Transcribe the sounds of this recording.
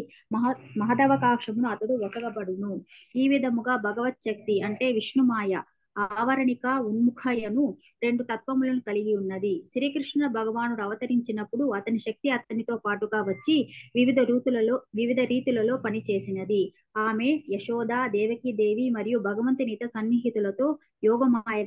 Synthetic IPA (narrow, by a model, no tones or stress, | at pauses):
ɐɦmɐɦɐd̪ɐʋɐkaːkʂɐmunuɐt̪ɐd̪uɔkɐɡɐpɐɽunuiːʋid̪ʱɐmuɡaːbʱɐɡɐʋɐt̪̚ʃɐk̚t̪iɐɳʈe̞ːʋiʂɳumaːjɐ | aːʋɐɾɐɳikɐunmukʰɐjɐnu | ɾe̞ɳɖut̪ɐt̪̚pɐmulɐnukɐliɡiunːɐd̪iʃɾiːkɾiʂɳɐbʱɐɡɐʋaːnunɐʋɐt̪ɐɾiɲt͡ʃinɐpːuɽuɐt̪ɐniʃɐk̚t̪iɐt̪ɐnit̪o̞ːpaːʈuɡaːʋɐt͡ʃːiʋiʋid̪ɐɾuːt̪ulɐloːʋiʋid̪ʱɐɾiːt̪ulɐlo̞ːpɐnit͡ʃe̞ːsinɐd̪i | aːme̞ːjɐʃɔːd̪aːd̪ɛːʋɐkid̪e̞ːʋimɐɾijubʱɐɡɐʋɐnt̪iniːt̪ɐsɐnːiɦit̪ulɐt̪o̞ː | jɔːɡɐmaːjɐ